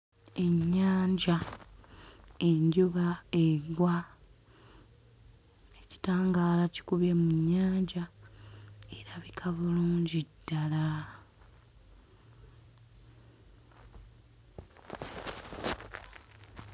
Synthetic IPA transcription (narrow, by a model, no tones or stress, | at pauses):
e̞ɲːaːɲɟa | endjuβaeɡwa | eci̥taːŋɡaːlaci̥kuβjemuɲːaːɲɟa | eɾaβikʰaβuluːɲɟid̥ːala